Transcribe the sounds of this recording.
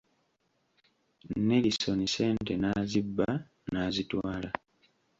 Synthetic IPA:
nːe̞liso̞nise̞ːnte̞naːzibːa | naːzitwaːla

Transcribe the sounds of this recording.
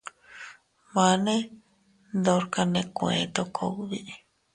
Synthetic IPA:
manẽ | nd̪oɾkanẽkuḛ̃t̪okʰouβi

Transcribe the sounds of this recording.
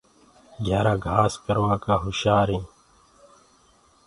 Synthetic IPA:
ɡʱaːɾãːɡʱaːskəɾwãːkaːɦuʃaːɾĩː

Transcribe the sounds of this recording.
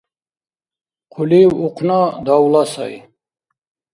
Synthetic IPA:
qʰuliuqʰnɔd̪awlasa̰j

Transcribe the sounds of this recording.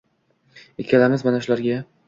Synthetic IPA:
ekʲʰalamɪzmanaʃʊlaɾɡʲa

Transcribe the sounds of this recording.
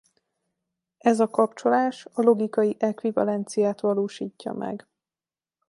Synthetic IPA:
ʔɛzɒkɒpt͡ʃo̞laːʃɒlo̞ɡikɒjiʔɛkʋivɒ̰lɛnt̪sijaːt̪ʋɒloːʃiːcːɒ̰mʔɛ̰ɡ

